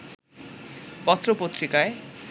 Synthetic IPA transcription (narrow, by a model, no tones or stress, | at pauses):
pɔt̪ɾopot̪ɾikae